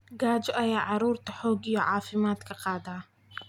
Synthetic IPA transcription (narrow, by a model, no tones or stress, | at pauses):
ɡaːd͡ʒɔʔɐjaːʕɑɾuːɾt̪ɐħoːɡɪjɔʕaːfɪmaːt̪kʰɐqʼɑːd̪aː